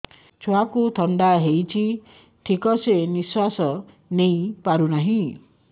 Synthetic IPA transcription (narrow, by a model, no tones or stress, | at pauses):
t͡ʃʰoakut̪ʰɔɳɖaɦejt͡ʃʰi | ʈʰikɔseniswasɔ | nej̃paɾunaɦĩ